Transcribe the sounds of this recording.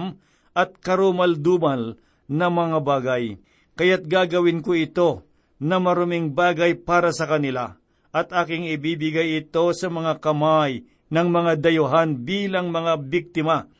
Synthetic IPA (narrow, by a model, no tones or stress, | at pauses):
m | ʔɐt̪̚kɐɾomɐld̪uːbɐl | nɐmɐŋabaːɡɐj | kɐjat̪̚ɡaːɡɐwɪnkoɪt̪o̞ | nɐmɐɾʊmɪŋbaːɡɐjpaːɾɐsɐkɐnɪla | ʔɐt̪aːkɪŋɪbiːbɪɡajɪt̪o̞sɐmɐŋakɐmaj | nɐŋmɐŋad̪ɐjʊɦanbiːlɐŋmɐŋabɪk̚t̪ɪma